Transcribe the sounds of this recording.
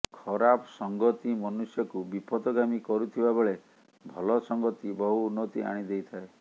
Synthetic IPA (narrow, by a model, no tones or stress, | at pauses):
kʰɔɾapɔsɔŋɡɔt̪imɔnusjɔkubipɔd̪ɔɡamikɔɾut̪ʰibabeɭe | bʱɔlɔsɔŋɡɔt̪ibɔɦuunːɔt̪ia̰ɽ̃id̪ejt̪ʰae